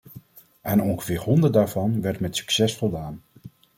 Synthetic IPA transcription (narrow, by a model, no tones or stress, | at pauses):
ɛnɔŋχəvɪːɹɦɔndəɹtdaːɹv̥ɑnʋɛɹtmɛtsy̥ksɛsfɔlˠdaːn